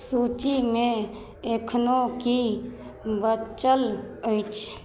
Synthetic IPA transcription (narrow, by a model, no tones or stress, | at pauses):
suːt͡ʃimẽ | ekʰnoki | bət͡ʃəl | əit͡ʃʰ